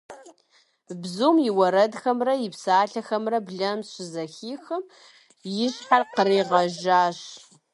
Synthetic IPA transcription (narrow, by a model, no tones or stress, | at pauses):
bzuːmjɪwɐɾɐdxɐmrɐjɪpsaːɬɐxɐmrɐbɮɐmɕɪzɐxiːxɐm | jɪɕħarqəɾeːʁɐʒaːɕ